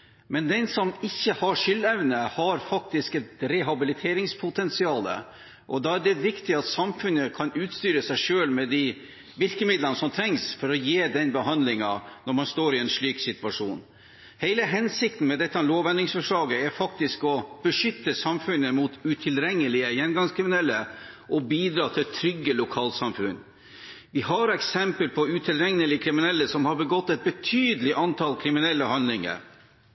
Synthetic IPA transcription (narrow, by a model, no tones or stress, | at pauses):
mɛnd̪ɛnsɔmɪçːəhɑʂʏlːɛʋnəhɑɾfɑk̚t̪ɪskɛt̪ɾɛɦɑbɪlɪt̪ʰeːɾɪŋspʰʊt̪ʰɛnsɪɑːlə̰ | ʔɔd̪ɑːæɖɛʋɪkt̪ɪɑt̪sɑmfʉnːəkʰɑnʉːt̪st̪yːɾəsæɪʂøːlmɛd̪i | ʋɪlkəmɪd̪lənəsɔmt̪ʰɾɛŋsfɔɾɔjeːd̪ɛnbəɦɑnd̪lɪŋɑnɔɾmɑnst̪oːɾɪɛnʂɭyːksɪt̪ʉʋɑʂṵːn | heɪləɦɛnsɪk̚t̪n̩mɛd̪ɛt̪ːəɑloːʋɛnd̪ɪŋsfœʂɭɑːɡəæɾfɑk̚t̪ɪskɔb̥əʂʏt̪ːəsɑmfʉnːəmut̪ʉt̪ʰɪlɾɛŋːəlɪəjɛnɡɑŋskʰɾɪmɪnɛlːəʔɔbiːd̪ɾɑːt̪ʰɪlt̪ʰːɾʏɡːəlʊkʰɑːlt̪sɑmfʉnː | ʋɪhɑɾɛksɛmpəlpʰɔʉt̪ʰɪlɾɛŋnəlɪkʰɾɪmɪnɛlːəsɔmhɑɾbəɡɔt̪ːɛt̪̚bət̪ʰyːd̪əlɪʔɑnt̪ʰɑlkʰɾɪmɪnɛlːəhɑnlɪŋə̰ɾ